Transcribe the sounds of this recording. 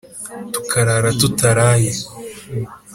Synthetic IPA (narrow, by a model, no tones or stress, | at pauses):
tukʰaɾaɾatutaɾaje